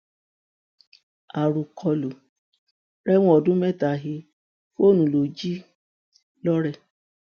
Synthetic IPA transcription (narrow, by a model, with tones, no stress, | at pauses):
a˨ɾu˨kʰɔ˧lo˨ | ɾɛ˦w̃ɔ̃˦ɔ˧˨dũ˦mɛ˦˨ta˨ɦi˧ | fo˦˨nũ˨˦lo˨d͡ʒi˦ | lɔ˦ɾɛ˦˨